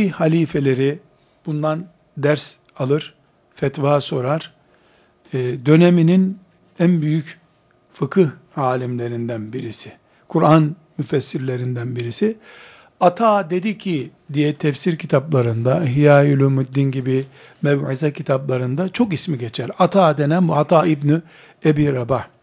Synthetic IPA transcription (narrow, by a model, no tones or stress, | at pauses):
ihalʲiːfe̞lʲe̞ɾi | b̥und̪an | d̪æɾs | alˠɯɾ̥ | fɛt̪vaːso̞ɾaɾ̥ | d̪ø̞neminin | ænbyjyc | fɯkʰɯh | aːlʲimlʲe̞ɾind̪ænbiɾisɪ | kʰuɾan | myfɛsːiɾlʲe̞ɾind̪ænbiɾisi | at̪ʰaːd̪e̞d̪icʰid̪ijɛt̪ʰɛfsiɾcʰit̪ʰaplˠaɾɯnd̪aɦijaːjylʲymud̪ːinɟibimɛvʕizɛcʰit̪ʰaplˠaɾɯnd̪at͡ʃʰo̞kismiɟet͡ʃʰæɾat̪ʰaːd̪enɛmbuat̪ʰaːibny | ebiːɾaba